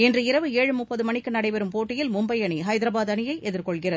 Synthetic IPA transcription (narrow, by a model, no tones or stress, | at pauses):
ɛndrɯɪɾɐʋɯeːɻɯmʊpːɐðɯmɐɳɪkːɯnɐɽɐɪpɐɾɯmpoːʈːɪjɪlmʊmbɐjɐɳiɦɐjd̪ɪɾɐbaːðɐnɪjɐɪʔɛðɪɾkɔɭɣɪrɐð